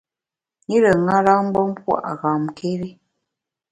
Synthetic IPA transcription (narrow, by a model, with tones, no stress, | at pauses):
ŋi˦ɾə˨ŋa˦ɾa˦m̩˦bɔ˦m̩˦pwa̰˦˨ʔɣa˨mke˦ɾi˦